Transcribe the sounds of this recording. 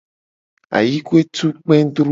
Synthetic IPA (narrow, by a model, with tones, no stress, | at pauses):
a̰˨ji˦ku˦e˦t̪u˦k͡pẽ˦d̪ɾ